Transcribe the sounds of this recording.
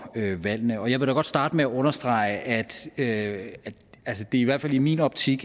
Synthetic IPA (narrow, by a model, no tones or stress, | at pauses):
øʋæl̰nəɒ̽jɑ̈ɪʋe̝ɾ̥æɡɒ̽d̥sd̥ɑ̈ːd̥əmeæʔɔ̽nɐsd̥ʁɑ̈ɪəʔæd̥øæ̥ælsəd̥e̝iʋæɐd̥fælimḭnɒ̽b̥t͡sʰiɡ̥